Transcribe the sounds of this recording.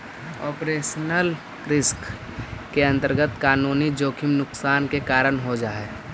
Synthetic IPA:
ɔːpɾeːʃənəl | ɾɪsk | keə̃nt̪əɾɡət̪kaːnuːnid͡ʒoːkʰɪmnʊksaːnkekaːɾəɽɦod͡ʒaːɛː

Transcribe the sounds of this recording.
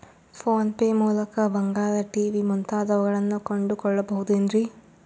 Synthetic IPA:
pʰoːnpeːmuːlɐkɐbɐŋɡaːlɐʈiːʋimunt̪aːd̪ɐʋɐɡɐɭɐnːukoɳɖukɔɭːɐbɐɦud̪uend̪ɾi

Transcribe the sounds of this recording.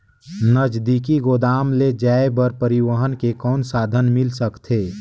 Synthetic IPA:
nəd͡ʒd̪ikiɡoːd̪aːmled͡ʒaːebəɾpəɾiwəɦənkekɔːnsaːd̪ʱənmɪlsəkt̪ʰeː

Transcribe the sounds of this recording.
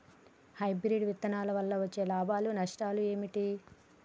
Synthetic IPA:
hɐjbɾiɖʋit̪ːɐnaːlɐʋɐlːɐʋɐt͡ʃːe̞ːlaːbʱaːlunɐʂʈaːlue̞ːmiʈi

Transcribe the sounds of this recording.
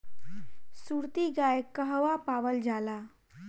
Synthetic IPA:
suːɾt̪iɡaːjkəɦʋapaːʋəld͡ʒaːlaː

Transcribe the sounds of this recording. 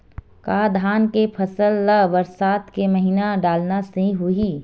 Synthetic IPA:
kaːd̪ʱaːnkepʰɐsəlːaʋɐɾsaːt̪kemɐɦinaɖaːlnasĩɦʊiː

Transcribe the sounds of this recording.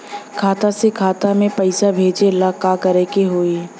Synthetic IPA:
kʰaːt̪asekʰaːt̪amẽpɐɪsabʱeːd͡ʒelakakəɾekeɦoːi

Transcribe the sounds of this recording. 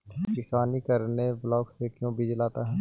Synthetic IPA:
kɪsaːnikɐɾneblɔːɡsekjõbɪd͡ʒlaːt̪aɦɛː

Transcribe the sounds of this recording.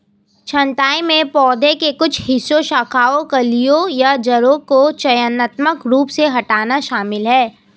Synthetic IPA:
t͡ʃʰɐ̃ɳʈaːemẽpɔːd̪ʱẽkekʊt͡ʃʰɦɪsoʃaːkʰaːõkɐlijojad͡ʒɐɾõkot͡ʃɐjənət̪məkɾuːpseɦɐʈaːnaʃaːmɪlɦɛː

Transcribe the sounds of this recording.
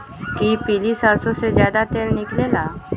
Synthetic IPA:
kipilisəɾsosed͡ʑjad̪at̪elniklela

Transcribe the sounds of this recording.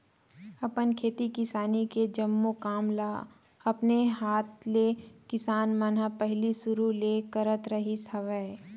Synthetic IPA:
ɐpənkʰeːt̪ikɪsaːniked͡ʒɐmːokaːmlaː | ɐpneɦaːt̪ʰlekɪsaːnmənəpɛɦlisʊɾuleːkəɾət̪ɾɐɦisʰɐʋɛː

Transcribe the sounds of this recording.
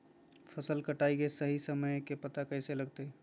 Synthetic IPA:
pʰəsəlkəʈaikesəɦisəməjkepət̪akəɦseləɡt̪e

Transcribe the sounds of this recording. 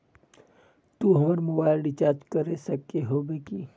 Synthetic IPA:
t̪uɦɐməɾmoːbaːɪlɖɪt͡ʃaːɾd͡ʒkəɾesɐkeɦoːbeki

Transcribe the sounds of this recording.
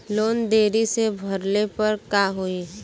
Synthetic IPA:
loːnd̪eːɾisebʱɐɾlepɐɾkaɦui

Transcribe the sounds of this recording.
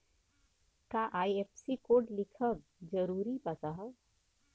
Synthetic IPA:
kaʔajepsikoːʈlikʰəm | d͡ʒəɾuːɾipasaɦə

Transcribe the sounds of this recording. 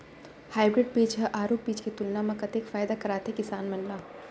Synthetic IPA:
haːɪbɾɪɖ̚piːd͡ʒɦɐʔaːɾoːp̚biːd͡ʒket̪ʊlnamɐ̃kɐt̪eːkfaːjd̪akɐɾaːt̪ekɪsaːnmɐnlaː

